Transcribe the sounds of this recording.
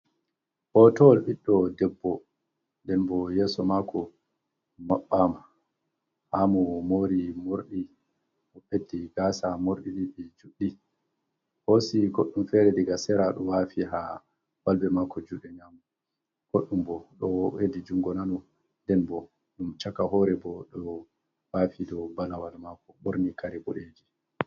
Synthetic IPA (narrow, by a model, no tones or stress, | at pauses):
hɔtɔlɓiɗːɔdɛbːɔ | ndɛnbɔjɛːsɔmakʰɔ | maɓːama | hamɔmoɾimoɾɗi | ɔɓedːiɡaːsamoɾɗiɗiɓɛd͡ʒuɗːi | hosiɡoɗːumfɛɾɛdiɡasɛɾaɗɔwafiɦa̰ | walbɛmakɔd͡ʒuɗɛɲamu | ɡ̥oɗːumbɔɗɔedid͡ʒuŋɡɔnanɔ | ndɛnbɔ | ɗumt͡ʃakaɦɔɾɛbɔɗɔ | wafidɔbalawalmakɔɓoɾnikaɾɛboɗed͡ʒi